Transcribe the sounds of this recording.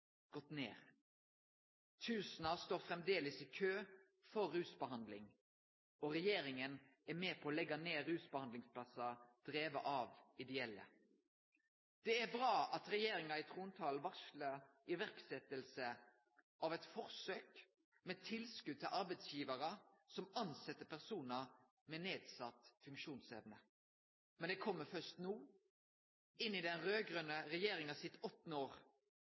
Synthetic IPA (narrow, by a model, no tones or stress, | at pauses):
ɡ̥ɔt̪ːnḛːʁ | t̪ʰʉːsnɑst̪oːʁfʁɛmd̪eːləsɪkʰøː | fɔʁːʉːsbəɦɑnd̪lɪŋ | ɔʁɛjeːɾɪŋənæmeːpʰɔːlɛɡɑneːɾʉːsbəhɑnd̪lɪŋsplɑsɑd̪̥ʁeːʋəʔɑːʋɪd̪ɛɛlːə̰ | d̪̥ɛæbʁɑːʔɑt̪ʁɛjeːɾɪŋɑɪt̪ʰʁuːnt̪ʰɑːlʋɑʂləʁɪʋæʁksɛt̪ːəlsə | ɑʋɛt̪fɔʁsøːk | mɛt̪ʰɪlskʉd̪̚t̪ʰɪlʔɑɾbɛɪt̪sjiːʋɑʁəsɔmɑnsɛt̪ːəpʰæʁsuːnə | mɛneːd̪sɑt̪ːfʉŋkʃuːnsɛʋnə | mɛnd̪ɛkʰɔmːəfœʂt̪nuː | ɪnːɪd̪ɛnʁøːɡʁœnːəʁɛjeːɾɪŋɑsɪt̪ɔt̪ːnəoːʁ